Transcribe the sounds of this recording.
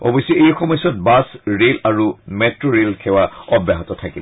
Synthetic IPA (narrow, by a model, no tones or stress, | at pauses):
ɔ̰bɔjsɛejxɔmɔjsɔt̚basɹelaɹumɛtɹoɹelkʰɛwaɔbjaɦɔtɔtʰakil